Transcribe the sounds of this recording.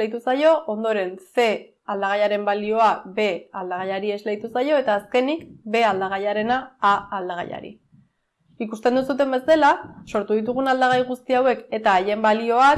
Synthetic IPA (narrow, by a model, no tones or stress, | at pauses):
ejt̪̬usajo̞ʔond̪o̞ɾe̞nse̞ | ald̪aɣajaɾe̞mbalio̞abe̞ald̪aɣ̞ajaɾie̞zlejt̪usajo̞e̞t̪aːske̞nikbe̞ald̪aɣ̞ajaɾe̞naːld̪aɣ̞a̰ja̰ɾḭ | ikust̪e̞nd̪usut̪̬e̞mbe̞st̪e̞laso̞ɾt̪uðit̪̬uɣ̞unald̪aɣ̞ajɣ̞ust̪iawe̞ke̞t̪aːje̞mbalio̞a